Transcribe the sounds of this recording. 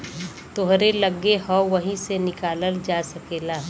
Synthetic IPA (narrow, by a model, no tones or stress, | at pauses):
t̪oɦɾeləɡːehɔʋəɦĩsenɪkaːləld͡ʒaːsɐkeːlaː